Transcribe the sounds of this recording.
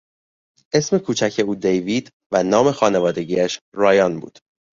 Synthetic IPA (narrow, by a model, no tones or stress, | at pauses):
ʔe̞sme̞kʰuːt͡ʃʰæcʰe̞uːd̪ejviːd̪ | vænɒːme̞xɒːne̞vɒːd̪e̞ɟiːæʃ | ɾɒːjɒnbṵːd̪̥